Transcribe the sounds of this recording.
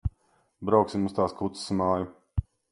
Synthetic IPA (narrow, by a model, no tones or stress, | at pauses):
bɾawksimust̪aːskut̪ssmaːju